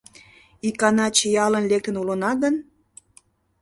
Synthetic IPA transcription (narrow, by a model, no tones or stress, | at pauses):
ikɑnɑt͡ɕəjɑlənlek̚t̪ənulənɑɡən